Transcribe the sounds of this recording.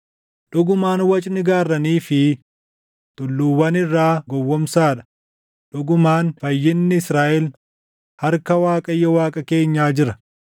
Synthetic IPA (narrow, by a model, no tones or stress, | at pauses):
ᶑʊɡʊmaːnwɐt͡ʃʼnɪɡaːrːɐniːfɪ | t̪ʼʊlːuːwɐnɪrːaːɡɔwːɔmsaːᶑɐ̥ | ᶑʊɡʊmaːnfɐjːɪnːɪɪsɾaːʔɛl | hɐɾkɐwaːkʼɐjːɛwaːkʼɐke̞ːɲːaːd͡ʒɪɾɐ